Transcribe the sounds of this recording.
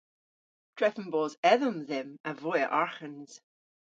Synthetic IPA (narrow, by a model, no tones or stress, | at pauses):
d̥ɹɛfənbɔːzɛðəmðɪmavɔjəʔaɹxənz̥